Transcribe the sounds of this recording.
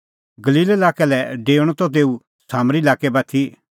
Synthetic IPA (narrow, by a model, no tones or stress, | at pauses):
ɡɐliːlelaːkɛlɛɖeːɽ̃ɔt̪ɔt̪̬eːu | saːmɾilaːkɛbɐt̪ʰi